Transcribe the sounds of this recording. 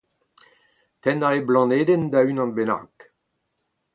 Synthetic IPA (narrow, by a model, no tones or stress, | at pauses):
t̪ɛnaʁeblɑ̃neːd̪end̪aynɑ̃nbena̰ʁk